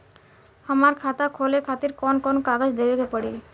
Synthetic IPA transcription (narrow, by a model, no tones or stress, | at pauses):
əmaɾkʰat̪akʰolekʰat̪iɾkɔnkɔnkaɡəd͡ʒd̪ebekepəɽi